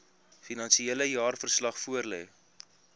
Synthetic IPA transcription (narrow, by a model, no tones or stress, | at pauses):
finɐnsieləjɑːrfərslɐχfuərlɛ̰ː